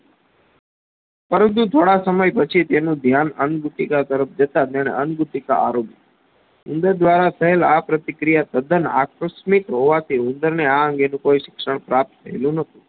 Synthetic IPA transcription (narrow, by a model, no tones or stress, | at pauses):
pəɾə̃nt̪̬ut̪ʰoɽasəməjpət͡ʃʰit̪enũd̪ʱjanənɡuʈikat̪əɾəp̚ʰd͡ʒət̪at̪aɽ̃ḛʔənɡuʈ̪ika̰ʔa̰ɾopi | ʊnd̪əɾd̪ʋaɾat̪ʰəɦelapɾət̪ikɾijat̪əd̪əna̰kɾəsmik̪ɦoʋat̪ʰiʊnd̪əɾneaəŋɡenũkoiʃɪ̥kʂəɳ̃pɾap̚t̪̚t̪ʰːəelũnət̪ʰũ